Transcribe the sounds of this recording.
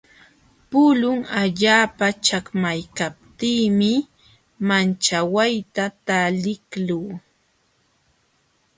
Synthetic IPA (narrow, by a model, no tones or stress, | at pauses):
pʊlʊŋaʎaːpat͡ʃakmajkap̚t̪iːmɪ | mant͡ʃawajt̪at̪alɪkluː